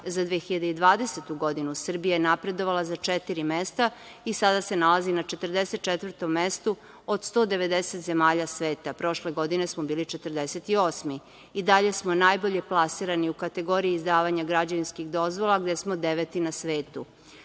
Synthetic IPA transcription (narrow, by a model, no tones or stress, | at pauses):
zad̪ʋexiʎad̪eid̪ʋaːd̪eset̪uɡo̞d̪inusr̩bijajenapɾe̞d̪o̞ʋalazat͡ʃet̪iɾimest̪a | isad̪ase̞nalazinat͡ʃe̞t̪r̩d̪eset̪̚t͡ʃet̪ʋər̩ɾt̪o̞mːest̪u | od̪st̪o̞ːd̪eʋe̞d̪eset̪ze̞maːʎasʋe̞ːt̪apɾo̞ʃleɡo̞d̪ine̞smobiːlit͡ʃet̪r̩d̪eset̪io̞ːsmi | id̪aʎe̞smonajboʎe̞plˠasiɾaniukat̪e̞ɡo̞ɾiiːzd̪aːʋaɲaɡɾad͡ʑeʋinskixd̪o̞zʋolˠaɡd̪esmod̪eʋet̪inasʋeːt̪u